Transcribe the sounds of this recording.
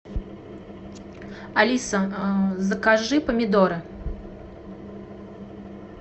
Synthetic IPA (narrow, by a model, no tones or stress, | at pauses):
alʲisɐzɐkaʐɨpɐmʲɪd̪ɔɾɨ